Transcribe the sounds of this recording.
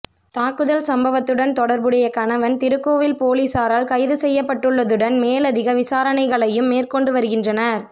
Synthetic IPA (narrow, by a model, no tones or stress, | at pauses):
t̪aːkːɯðɐlsɐmbɐʋɐt̪ːɯɽɐnt̪ɔɽɐɾbɯɽɐjɐkɐnɐʋɐnt̪ɪɾɯkːoːʋɪlpoːliːsaːɾaːlkɐɪðɯsɛjːɐpːɐʈːɯɭːɐðɯɽɐnmeːlɐðɪɣɐʋɪsaːɾɐnɐɪɣɐɭɐjɯmːeːrkɔɳɖɯʋɐɾɯɣɪndrɐnɐɾ